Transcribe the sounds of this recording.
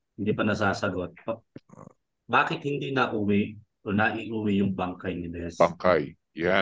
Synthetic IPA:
hɪnd̪iːpɐnɐsaːsɐɡot̪̚pɐ | baːkɪt̪hɪnd̪inɐʔuːwɪʔ | ʔonɐʔiʔuːwɪjʊŋbɐŋkɐjnɪd̪ɛsbaŋkaj | ja

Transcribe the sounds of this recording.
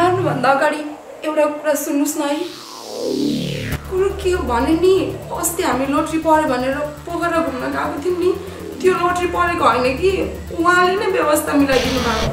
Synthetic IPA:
arnubʱʌnd̪aʌɡaɽi | ewʈakuɾasunːusnʌj | kuɾukiɦobʱʌneniʌst̪eɦamiloʈripʌɾebʱʌneɾʌpoɡʌɾʌbʱumnʌkakot̪ʰinni | t̪joloʈripʌɾekoɦʌjnʌki | uɦãlenʌjbjʌbʌst̪ʰamilajd̪inubʱa

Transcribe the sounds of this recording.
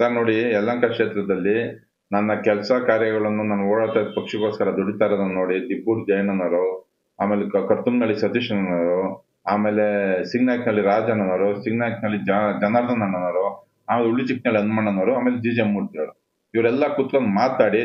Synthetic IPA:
saːɾnoːɽiɛlːɐŋkɐkʂeːt̪ɾɐd̪ɐlːi | nɐnːɐkɛlɐsɐkaːɾjɐɡɐɭɐnːunaːnɐoːɽaːɭt̪apɐkʂɐɡo̞ːskɐɾɐd̪oɽit̪aːɾɐd̪ɐnno̞ːɽid̪ipːuːɾd͡ʒɐjɐnɐnɐɾu | aːmeːlekɐɾt̪umneɐɭisɐt̪iʂɐnɐnaːɾu | aːmeːle̞siɡnaːjknɐlːiɾaːd͡ʒɐnɐnɐːɾusiɡnaːknɐlːid͡ʒd͡ʒɐnaːɾd̪ɐnɐɳːɐnɐɾu | aːmeːleuɭːit͡ʃik̚nɐɭiɐnːumɐɳːɐnɐːɾuaːmeːled͡ʒiːd͡ʒemːuɾt̪iɾɐɽu | iʋɐɾɛlːɐkut̪ːkonumaːt̪naːɽi

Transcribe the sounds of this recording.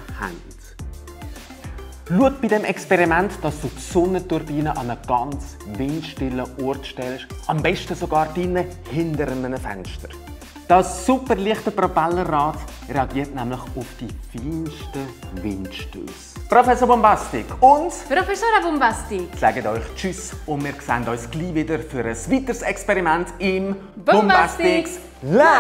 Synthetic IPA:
ha̰nt | luət̚b̥idɛmɛkspɛʁimɛntd̥ɑsd̥uːtsɔnətuɾbiːnəʔɑnəɡ̥ɑnt͡s | vɪntʃtɪləʔɔrtʃtɛlʃʔɑmbɛʃtəsoɡɑːɾd̥inə | hɪndəɾənənəfɛ̰nʃtəɾ | d̥ɑsːupəɾliəχtəprɔpɛlːərɑːt | reɑɡiːəɾtnɛmlɪχʊfd̥ifiːnʃtəvɪntʃtø̰ːsprofɛsoɾbɔmbɑstɪkʰʊndpɾofɛsoːɾabɔmbastilɛɡətɔʏχt͡ʃysʊndmiːɾksɛntɔʏsɡ̥liːvɪdəɾfyɾəsvitəɾsɛkspɛɾimɛntɪm | bɔmbbastɪ | la

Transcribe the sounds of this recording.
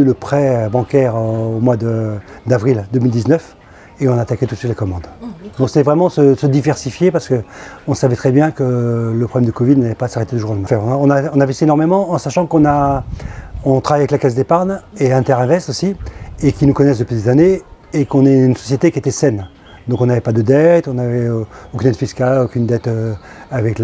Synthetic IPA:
yləpχɛøbɑ̃kʲɛʁøomwad̪əd̪avʁild̪əmild̪iznœf | eɔ̃nat̪akʲɛt̪ut̪sɥit̪lakɔmɑ̃d̪d̪ɔ̃kset̪ɛvʁɛmɑ̃səsəd̪ivɛʁsifjepaʁsə̥kəɔ̃savɛt̪χɛbjɛ̃kələpχɔblɛmd̪əkɔvid̪nalɛpasaʁet̪ed̪əʒuʁəmafɛɔ̃aɔ̃naɔ̃navɛsienɔʁmemɑ̃ɑ̃saʃɑ̃kɔ̃na | ɔ̃t̪χavajavɛklakasd̪epaʁneɛ̃t̪ɛʁɛ̃vɛʁst̪osiekʲinukɔnɛsd̪əpɥid̪ezane | ekɔ̃nɛynsɔ̥sjet̪ekʲiet̪ɛsɛn | d̪ɔ̃kɔ̃navɛpad̪əd̪ɛt̪ɔ̃navɛøokʲynd̪ɛt̪fiskalokʲynd̪ɛt̪ø | avɛkl

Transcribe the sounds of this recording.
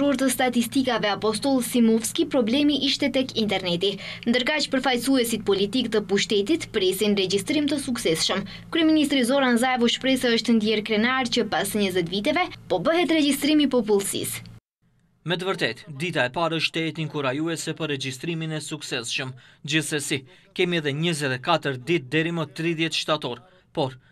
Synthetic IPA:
uɾt̪əst̪at̪ist̪ikavɛapɔs̬t̪ɔlˠsimɔfskipɾɔblɛmiʔiʃt̪ɛt̪ɛkint̪ɛɾnɛt̪ind̪əɾkat͡ʃpəɾfajsuɛsit̪̚pɔlit̪ikt̪əpuʃt̪ɛt̪it̪pɾɛsinrɛd͡ʑist̪ɾimt̪əsuksɛsʃəm | kɾyɛminist̪ɾizɔɾanzaɛvɔʃpɾɛsaəʃt̪nd̪jɛɾkɾɛnaɾt͡ɕəpasɲəzɛt̪vit̪ɛvɛpɔbəɦɛt̪ɾɛd͡ʑist̪ɾimipɔpulˠsḭs | mɛt̪əvəɾt̪ɛt̪d̪it̪aɛpaɾəʃt̪ɛɛt̪iŋkuɾajuɛsɛpərːɛd͡ʒist̪ɾiminɛsuksɛsʃəmd͡ʑiθsɛsikɛmiɛðɛɲəzɛt̪ɛkat̪əɾd̪it̪̚d̪ɛɾimət̪ɾiðjɛt̪ʃt̪at̪ɔɾ | pɔɾ

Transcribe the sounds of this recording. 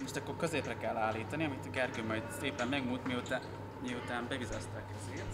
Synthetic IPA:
moʃt̪ɒkːo̞rkø̞zeːprɛkɛlːaːlːiːt̪ɒniɒmit̪ɒɡɛrɡøːmɒjd̪seːpɛmːɛɡmuːt̪mijut̪a | miut̪aːmbɛvizɛst̪akɛzeːrt̪

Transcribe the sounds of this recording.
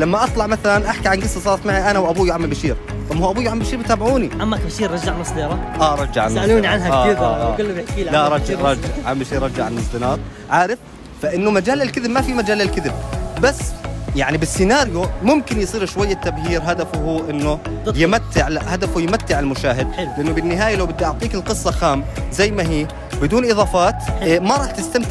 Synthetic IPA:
lamːaʔɑt̪ˤlɑʕmaθalanʔaħkiʕanɡɪsːasˤɑːɾˤɑt̪maʕiʔanahwʔabuːjʕamːalbaʃiːɾ | t̪ˤɑmːuːʔabuːjʕamalbʃiːɾmɪt̪aːbʕuːniʔamːakabʃiːɾɾˤɑd͡ʒaʕanɨsˤd̪iːɾˤɑʔaːɑɾˤɑd͡ʒːaʕasmaʔluːniʕanɦaːɪðːɡʊlːkilaʔɾˤɑd͡ʒaɾˤɑd͡ʒaʕʕambaʃiːɾɾˤɑd͡ʒaʕanɨsˤd̪ɨnɑːɾˤ | ʕaːɾɪf | faʔɪnːʊmad͡ʒaːlalkɪðɪbmafimad͡ʒaːlalkɪðɪb̚basːjaʕnibɪsːɪnaːɾjʊmʊmkɪnjsˤiːɾʃwajːat̪ːabhiːɾɦad̪afʊhuːʔɪnːʊ | jɪmat̪ːɪʕhad̪afʊjɪmat̪ːɪʕalmʊʃaːɦɪd̪̚lɪʔanːʊbɪnːɪɦaːjalawbɪd̪ːaʔʊʕt̪ˤiːkɪlqɨsˤːɑxaːmzajːmaɦiː | bɪd̪uːnʔɨðˤɑːfɑːt̪maɾˤɑːħt̪ɪst̪amt̪ɪʕ

